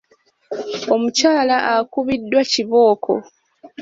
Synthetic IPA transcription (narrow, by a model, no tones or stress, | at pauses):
o̞mucaːlaʔakuβidːwaciβo̞ːkʰo̞̰